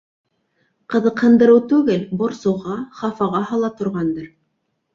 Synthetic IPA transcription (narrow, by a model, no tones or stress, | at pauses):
qɤ̆ðɤ̆qhɤ̆nd̪ɤ̆ɾɤwt̪ʉɡɘlbŏɾsɤ̆wʁɑχɑfɑʁɑɦɤlˠɑt̪ŏɾʁɑnd̪ɤɾ